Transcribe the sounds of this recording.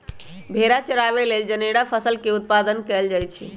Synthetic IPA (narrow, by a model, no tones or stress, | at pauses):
bʱeɾat͡ʃəɾaβeleld͡ʒəneɽapʰəsəlkeut̪̚pad̪ənkɛld͡ʒajt͡ʃʰḭ